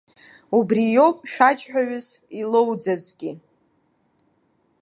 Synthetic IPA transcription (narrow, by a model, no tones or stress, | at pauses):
ubrijo̞wpʼʃᶣat͡ʃʼħᶣaɥʊzilowd͡zazɡʲi